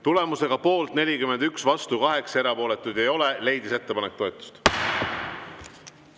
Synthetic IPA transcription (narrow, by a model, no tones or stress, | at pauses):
t̪ule̞muse̞ɡ̥ɑpo̞ːlt̪ne̞lʲikyme̞nd̪yksvɑst̪ukɑɦe̞kse̞ɾɑpo̞ːle̞t̪ːˑujd̪̥e̞jo̞le̞le̞jd̪ise̞t̪ːe̞pɑnekt̪o̞et̪ːˑu̥st̪